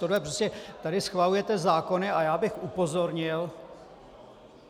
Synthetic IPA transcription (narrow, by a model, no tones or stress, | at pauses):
odlɛproscɛt̪adɪsxvalujɛt̪ɛzaːko̞nɪajaːbɪxʔupo̞zo̞ɾɲɪl